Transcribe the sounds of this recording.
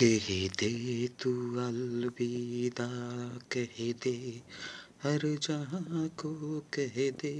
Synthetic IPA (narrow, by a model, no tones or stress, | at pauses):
keɦed̪et̪uɐlbid̪akɛɦed̪e | hɐɾd͡ʒãɦãkokɛɦed̪e